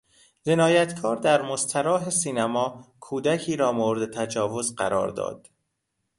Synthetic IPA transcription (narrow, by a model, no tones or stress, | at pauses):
d͡ʒenɒːjæt̪ʰkʰɒːɾd̪æɾmost̪ʰæɾɒːɦesiːnæmɒːkʰuːd̪ækʰiːɾɒːmoɾed̪et̪ʰæd͡ʒɒːvozɢæ̰ɾɒ̰ːɾd̪ɒ̰ːd̪̥